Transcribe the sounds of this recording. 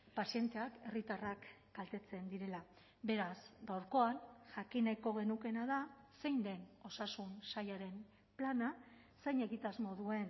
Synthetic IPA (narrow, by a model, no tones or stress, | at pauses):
pasie̞nt̪e̞ake̞rit̪arak | ɡalt̪e̞t͡se̞nd̪iɾe̞la | βe̞ɾasɡawɾko̞anʝakinajko̞ɣ̞e̞nuke̞nað̞a | se̞jnd̪e̞no̞sasunsajaɾe̞m | plana | sejɲe̞ɣit̪azmo̞ðue̞n